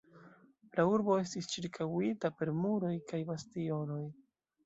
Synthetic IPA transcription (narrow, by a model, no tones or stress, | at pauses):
lauɾbo̞e̞s̬tist͡ʃiɾkʰawitape̞ɾmuɾo̞jkajbastio̞no̞j